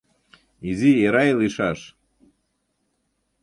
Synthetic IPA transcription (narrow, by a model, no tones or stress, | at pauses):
izieɾajlˠiʃaʃ